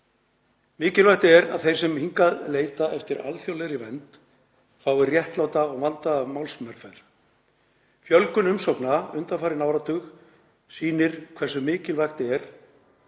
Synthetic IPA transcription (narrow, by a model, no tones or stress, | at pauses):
mɪːcɪlvajht̪ɪɛɾa̰ðθejɾ̥sɛmhiŋkaðleːjt̪aʔɛft̪ɪɾa̰lθjowlɛɾɪvɛnt̪ | faːwɪrjɛht̪lawt̪aɔɣvant̪avmawlsmɛɾ̥fajɾ̥ | fjœlkʏnʏmsowknaʏnt̪afaːɾɪnaːwɾat̪ʰʏx | siːnɪɾ̥kʰvɛr̥sʏmɪːcɪlvajxt̪ɪɛɾ̥